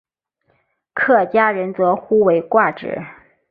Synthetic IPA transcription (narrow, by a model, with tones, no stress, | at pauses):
kʰɤ˥˩t͡ɕja˥ɻə˧˥nt͡sɤ˧˥xu˥we˧˥ɪkwa˥˩ʈ͡ʂɻ̩̰˨˩˦